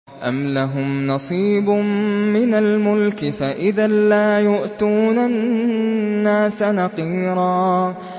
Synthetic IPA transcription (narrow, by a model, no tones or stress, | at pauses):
ʔamlaɦʊmnɑsˤiːbmmɪnalmʊlkɪfaʔɪðalaːjʊʔt̪uːna | aːsanɑqiːɾˤɑː